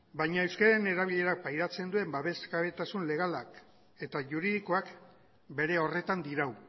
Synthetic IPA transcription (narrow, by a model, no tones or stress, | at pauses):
bajɲaewskaɾeneɾaβ̞iʎe̞ɾak̚pajɾat͡se̞nd̪ue̞mbaβe̞skaβe̞t̪asunle̞ɣ̞alak | e̞t̪aʝuɾiðikoak | be̞ɾe̞o̞re̞t̪and̪iɾaw